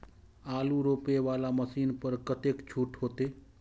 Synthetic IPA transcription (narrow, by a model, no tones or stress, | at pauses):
aːluɾoːpeʋaːlaməsiːnpəɾkət̪eːkt͡ʃʰuːʈɦoːt̪eː